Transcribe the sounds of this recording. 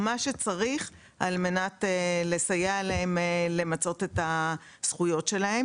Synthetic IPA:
maʃe̞t͡saʁiχ | alme̞natele̞sajealeemele̞mat͡so̞te̞ta | sχujo̞tʃe̞lahe̞m

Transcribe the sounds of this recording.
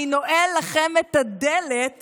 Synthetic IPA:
inoʔelːaχemet̪ad̪elet̪

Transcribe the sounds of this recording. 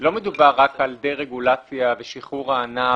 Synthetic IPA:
lo̞med̪ubaʁːakald̪eʁeɡulat͡sjaveʃiχuʁaːna

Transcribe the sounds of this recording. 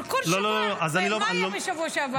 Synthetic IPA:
kololololoazaniloaniloeʃɐvuoʃava

